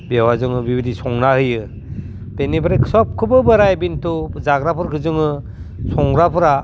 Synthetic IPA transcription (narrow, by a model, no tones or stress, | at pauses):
bewazɯŋɯbibidisɔŋɾahɯjɯ | b̥enibɯɾɯkʰsɔp̚kʰɯbɯbɯɾajbintʰuzaɡɾapʰɯɾkʰɯzɯŋɯ | sʰɔŋɾapʰɯɾa